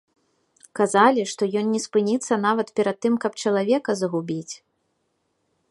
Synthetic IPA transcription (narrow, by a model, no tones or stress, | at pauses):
kazalʲiʂt̪ɔjɔnːʲɛspɨnʲit̪sːɐnavɐt̪pʲɛɾɐd̪̚ːɨmkɐpt͡ʂɐlˠavʲɛkɐzɐɣubʲit͡sʲ